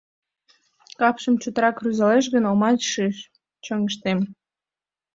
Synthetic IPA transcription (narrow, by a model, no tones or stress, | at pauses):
kɑpʃəmt͡ɕut̪əɾɑkryzɑleʃ̬ɣənomɑʃiʃ | t͡ɕəŋəʃt̪em